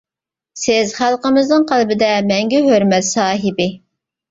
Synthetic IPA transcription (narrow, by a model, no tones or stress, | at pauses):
sɪzχælˠqəmɨznɨŋqʰælˠbɪd̪ɛmɛŋɡʲɛɦøɾmɛt̪sɑːɦɪbɪ